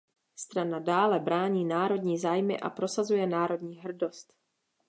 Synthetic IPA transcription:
st̪ɾanadaːlɛbɾaːɲiːnaːɾo̞dɲiːzaːjmɪ̰ʔa̰pɾo̞sazujɛnaːɾo̞dɲiːɦr̩do̞st̪

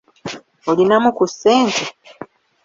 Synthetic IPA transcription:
olinamukusːe̞ːntʰe

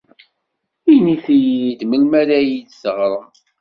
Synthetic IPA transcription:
iniθijid̪məlmæɾæjid̪səʁɾˤəm

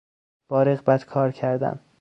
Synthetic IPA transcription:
b̥ɒːɾeɣbæt̪kʰɒːɾcʰæɾd̪æ̰n

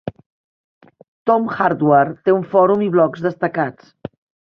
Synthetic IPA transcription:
t̪ɔmxaɾd̪wart̪euɱfɔɾumiβlɔkzðəst̪əkat͡s

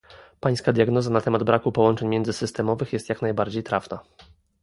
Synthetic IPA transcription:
paj̃skad̪ʲjaɡnɔzanat̪ɛmad̪bɾakupɔwɔnt͡ʂɛɲmʲjɛnd̪zɘsɘst̪ɛmɔvɘxjɛst̪ʲjaknajbaɾd͡ʑejt̪ɾafna

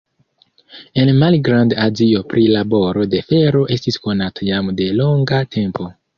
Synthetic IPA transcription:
e̞nmalɡɾandazio̞pɾʔilabo̞ɾo̞de̞fe̞ɾo̞ʔe̞stisko̞natʰajamde̞lo̞ŋɡatʰe̞mpo̞

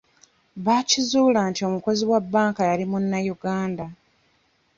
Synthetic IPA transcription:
βacizuːlaːntio̞muko̞ziwabːaːŋkajalimunːajuɡaːnda

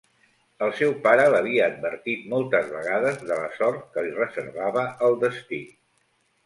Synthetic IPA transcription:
əlˠsɛwpaɾələβ̞iəːd̪̚bəɾt̪it̪mɔlˠt̪əzβəɣað̞əzðələ̰sɔrt̪̚kəlirəzəɾβaβəʔəlˠd̪əst̪i

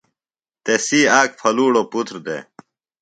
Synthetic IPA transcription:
t̪esiːaːk̚fʰɐluːɽoput̪ɾd̪ḛ

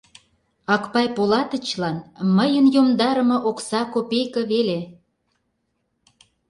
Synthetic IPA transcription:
ɑkpɑjpolɑt̪ə̆t͡ɕlɑnməjənjomd̪ɑɾə̆mɤ̆ʔoksɑkopejkɤ̆βele

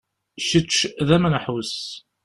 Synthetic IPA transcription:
ʃət͡ʃːðæmænəħwəs

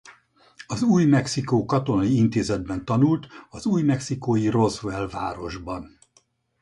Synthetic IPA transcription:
ɒzuːjmɛksikoːkɒt̪o̞nɒjiint̪eːzɛd̪̚bɛnt̪ɒnult̪ɒzuːjmɛksikoːjiro̞zvɛlvaːɾo̞ʒbɒn

